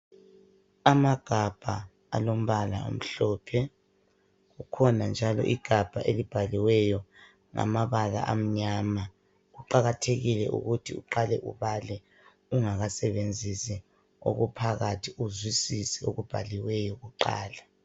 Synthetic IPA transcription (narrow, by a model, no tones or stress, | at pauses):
amaɡ̥ʱab̥ʱa | a̰lom̩βala̰o̰m̩ɬɔːpʰɛ | ɣukʰɔnand͡ʒʱalɔ̰ʔiɡ̥ʱab̥ʱaʔelib̥ʱaliwɛjɔ | ŋa̰maβala̰ʔam̩ɲama | ɣuǃaɣatʰeɣilɛʔṵɣutʰiṵǃalɛʔṵβalɛ | uŋaɣasɛβend͡zʱisɛ | o̰ɣupʰaɣatʰiuzwisisɛo̰ɣub̥ʱaliwɛjɔɣuǃa̰ːla